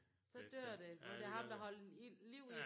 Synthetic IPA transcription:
sɒ̽d̥øɐ̰d̥e̝ɒd̥e̝æɦɑ̈md̥ɑ̈ɦɒ̽ləliʊ̰i

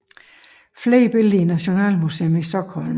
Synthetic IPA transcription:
fleːb̥e̝linæɕo̝nɛ̰ːlmusḛːomisd̥ɒ̽ɡ̥hɒ̽lm

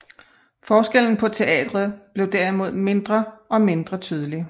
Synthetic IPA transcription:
fɒːsɡ̥el̰n̩pʰɒ̽t͡sʰe̝ɛ̰ːd̥ʁɐð̩ˠb̥le̝ʊd̥æɐimo̝ð̞̰ˠme̝nd̥ʁɐʔɒ̽me̝nd̥ʁɐt͡sʰyːð̞ˠəli

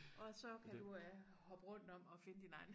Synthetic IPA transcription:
ʔɒ̽sɒ̽kʰæd̥u | hɒ̽b̥ʁɔn̰d̥n̩ɒ̽m̰ɒ̽fe̝nəd̥inɑ̈ɪn̩

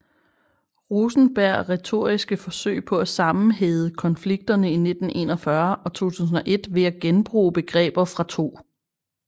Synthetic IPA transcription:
ʁusn̩b̥æɐ̰ʁɛt͡sʰo̝ɐ̰isɡ̥əfɒ̽sø̰ɪpʰɒ̽æsɑ̈mn̩ɦeːðˠəkʰɒ̽nfliɡ̥̚d̥ɐnəine̝d̥n̩ʔe̝̰ːnɒfɶɐɒ̽t͡sʰo̝̰ːt͡sʰṵːs̬n̩ɒ̽ʔe̝d̥ʋe̝æɡ̥enb̥ʁṵːb̥e̝ɡ̥ʁɛ̰ːb̥ɐfʁɑ̈t͡sʰo̝̰ː

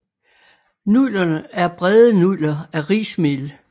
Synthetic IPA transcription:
nulɐnəæɐb̥ʁɛðˠənulɐæʁḭːsmeːl

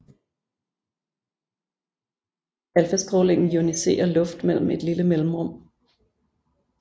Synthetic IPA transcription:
ælfəsɡ̥ʁoːle̝ŋ̰n̩junise̝̰ːɐlɔ̽fd̥mel̰m̩e̝d̥liləmel̰m̩ʁɔ̽m̰

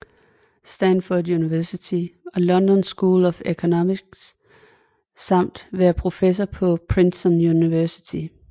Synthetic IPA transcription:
sd̥ænfod̥juniʋæɐsit͡sʰiɒ̽lɒ̽nd̥ɒnsɡ̥uːlɒfekʰonɒmiɡ̥s | ɑ̈m̰d̥ʋæɐpʰʁo̝fes̬ɒpʰɒ̽pʰʁinsɒnjuniʋæɐsi̥t͡sʰi

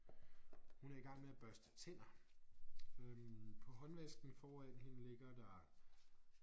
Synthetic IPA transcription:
hunæɐiɡ̥ɑ̈ŋ̰meæb̥ɶɐsd̥ət͡sʰe̝n̰ɐ | øpʰɒ̽ɦɒ̽nʋesɡ̥n̩fɒːæn̰ɦe̝nəle̝ɡ̥ɐd̥ɑ

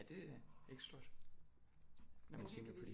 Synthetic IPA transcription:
æd̥e̝æeɡ̥sd̥o̝ɐ̰d̥ | nɒmænt͡sʰeŋɡ̥ɐpʰɒd̥i

